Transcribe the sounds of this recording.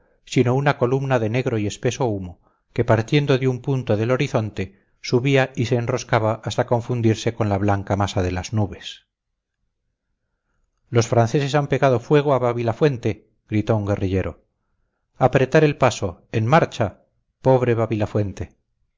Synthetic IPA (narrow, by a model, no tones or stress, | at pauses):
sino̞unako̞lumnaðe̞ne̞ɣɾo̞ie̞spe̞so̞umo̞ | ke̞paɾt̪je̞nd̪o̞ðeumpunt̪o̞ðe̞lo̞ɾiθo̞nt̪e̞ | suβiaise̞ːnro̞skaβaʔast̪ako̞ɱfund̪iɾse̞ko̞nlaβlaŋkamasaðe̞laznuβe̞s | lo̞sfɾanθe̞se̞sampe̞ɣað̞ofwe̞ɣ̞oaβaβilafwe̞nt̪e̞ | ɡɾit̪o̞uŋɡe̞riʎe̞ɾo̞̰ | apɾe̞t̪aɾe̞lpaso̞enmaɾt͡ʃa | po̞βɾe̞βaβilafwe̞nt̪e̞